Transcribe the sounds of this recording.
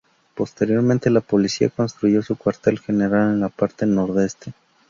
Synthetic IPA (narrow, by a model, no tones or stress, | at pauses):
po̞st̪e̞ɾjo̞ɾment̪e̞lapo̞lisia̰ko̞nst̪ɾuʝo̞sukwaɾt̪e̞lxe̞ne̞ɾale̞nlapaɾt̪e̞no̞ɾðe̞st̪e̞